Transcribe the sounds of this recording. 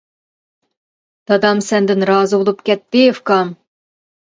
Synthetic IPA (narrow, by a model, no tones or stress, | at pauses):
t̪ɑd̪ɑmsænd̪ɘ̆nrɑzulˠɤ̆pkæt̪ːejefkɑm